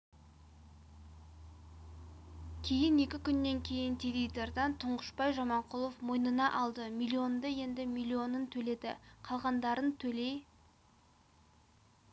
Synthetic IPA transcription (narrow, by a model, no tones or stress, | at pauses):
kʲʰe̞jɪne̞kʲɪkʲʰʏnːe̞ŋkʲʰe̞jɪnt̪ʰevʲijt̪eɾd̪ɑnt̪ʰʊɴʁəʃpɑjʒɑmɑɴqʰʊlˠofmo̞jnənɑʔɑlˠd̪əmʲijlʲːio̞nd̪əje̞nd̪ɪmʲilʲːio̞nənt̪ʰɵle̞d̪ɪ̰qʰɑlˠʁɑnd̪ɑɾənt̪ʰɵle̞j